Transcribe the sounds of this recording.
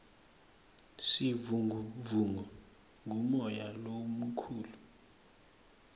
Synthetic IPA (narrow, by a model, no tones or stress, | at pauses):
sivuŋuvuŋɔ | ŋʱumɔjalomukʰuːlu